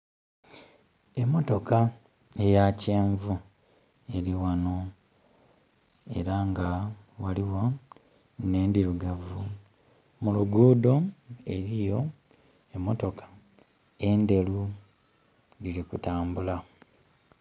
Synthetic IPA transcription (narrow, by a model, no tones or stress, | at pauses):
e̞mːo̞to̞ka | ejace̞ːɱvu | e̞ɾiwano̞ | e̞̰ɾaŋɡa | waliwo | ne̞ːndiɾuɡavu | muluɡuːdo̞e̞ɾijo̞ | emːoto̞kʰḁ | e̞nde̞lu | lilikutaːmbula